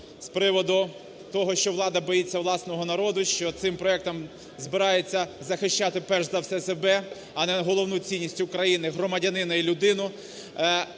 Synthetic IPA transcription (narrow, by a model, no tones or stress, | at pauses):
spɾɪʋɔd̪ʊ | t̪ɔɦɔʃt͡ʃɔʋlˠɑd̪ɐbɔjit͡sʲːɐʋlˠɑsnɔɦɔnɐɾɔd̪ʊʃt͡ʃɔt̪sɪmpɾɔɛk̚t̪ɔm | zbɪɾɑjet͡sʲːɐzɐxɪʃt͡ʃat̪ɪpɛʒzɐfsɛsebɛ | ɐnɛɦɔlˠɔwnut͡sʲinʲisʲtʲːkɾɐjinɪɦɾɔmɐdʲɐnɪnɐilʲʊd̪ɪnʊ